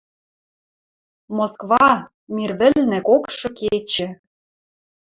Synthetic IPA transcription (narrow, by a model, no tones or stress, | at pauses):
moskβɑ | mʲirβɘ̆lnɘ̆kokʃɤ̆ket͡ɕɘ̆